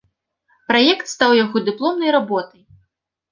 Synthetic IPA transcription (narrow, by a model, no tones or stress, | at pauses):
pɾajɛkt̪st̪awjaɣɔd̪ɨplˠɔmnɐjɾabɔt̪ɐj